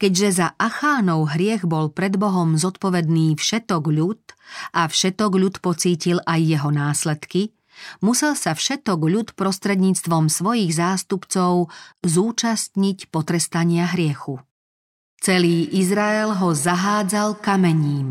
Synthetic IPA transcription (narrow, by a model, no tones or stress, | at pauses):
kɛɟʒɛzaʔaxaːnɔʊɦɾɪɛɣbɔlpɾɛd̪bɔɦɔmzɔt̪pɔʋɛd̪niːfʃɛt̪ɔɡʎut̪ʔafʃɛt̪ɔɡʎut̪pɔt͡siːcilʔajːɛɦɔnaːslɛt̪ki | musɛlsafʃɛt̪ɔɡʎut̪pɾɔst̪ɾɛd̪ɲiːt͡st̪ʋɔmsʋɔjiːɣzaːst̪upt͡sɔʊzuːt͡ʃast̪ɲicpɔt̪ɾɛst̪aɲɪaɦɾɪɛxu | t͡sɛliːʔizɾaɛlɦɔzaɦaːd͡zalkamɛɲiːm